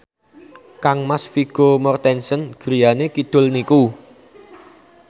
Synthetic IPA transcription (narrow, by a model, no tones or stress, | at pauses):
kaŋmasfiɡ̥omɔrt̪ɛnsənɡ̥ɾijanekid̪̥ʊ̤lniku